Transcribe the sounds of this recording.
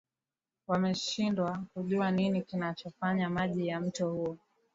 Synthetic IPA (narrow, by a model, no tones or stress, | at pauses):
wamɛʃindwakuʄuaninikinat͡ʃɔfaɲamaʄijam̩tɔhuɔ